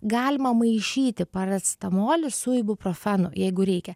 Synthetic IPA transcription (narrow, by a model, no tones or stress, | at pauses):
ɡɑːlʲɪmɐmɐɪʃʲiːt̪ʲɪpɐɾʲɛt̪st̪ɐmoːlʲɪsuɪbʊpɾoːfʲænʊ̰jɛɪɡʊɾʲɛɪkʲɛ